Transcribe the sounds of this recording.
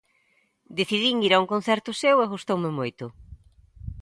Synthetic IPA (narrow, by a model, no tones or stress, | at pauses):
d̪eθiðiŋiɾauŋkon̟θɛɾt̪ʊseweɣost̪owmɪmojt̪ʊ